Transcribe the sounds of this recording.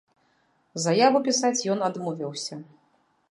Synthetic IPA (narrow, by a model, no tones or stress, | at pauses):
zɐjavupʲisat͡sʲjɔnad̪mɔvʲiwsʲɐ